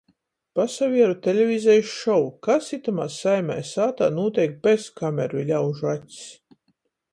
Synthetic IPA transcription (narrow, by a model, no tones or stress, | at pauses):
pasavʲiɛɾut̪ʲelʲevʲizɛjʃɔwkasit̪amasajma̰jsaːt̪a̰ːnuɔt̪ʲɛjk̚beskamʲɛɾulʲawʒuatʲs